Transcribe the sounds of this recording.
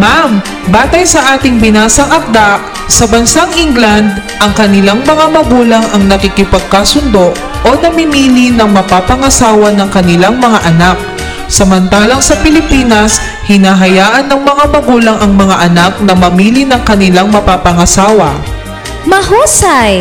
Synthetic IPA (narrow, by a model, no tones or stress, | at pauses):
mam | baːt̪ɐjsɐʔaːt̪ɪŋbɪnaːsɐŋʔɐk̚d̪aʔ | sɐbɐnsaŋʔiŋɡlɐnd̪̚ | ʔɐŋkɐnɪlaŋmɐŋamɐɡuːlɐŋʔɐŋnɐkikɪpɐɡ̚kasʊnd̪o̞ʔ | ʔonɐmɪmiːlɪnɐŋmɐpapɐŋɐsaːwɐnɐŋkɐnɪlaŋmɐŋaʔɐnak̚ | sɐmɐnt̪aːlɐŋsɐpɪlɪpiːnɐs | hɪnaːɦɐjaːʔɐnːɐŋmɐŋamɐɡuːlɐŋʔɐŋmɐŋaʔɐnak̚nɐmɐmiːlɪnɐŋkɐnɪlaŋmɐpapɐŋɐsaːwɐ | mɐhuːsaj